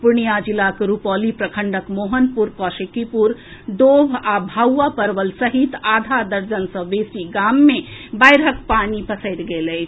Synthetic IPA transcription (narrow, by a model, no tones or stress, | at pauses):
puɾnijad͡ʒilakɾupɔlipɾəkʰəɳɖəkmoɦənpuɾkɔʃekipuɾd̪obʱabʱawʋapəɾʋəlsəɦit̪ad̪ʱad̪əɾd͡ʒənsə̃besiɡamːebajɾɦəkpanipəsəɪt̪ɡeləjt͡ʃʰ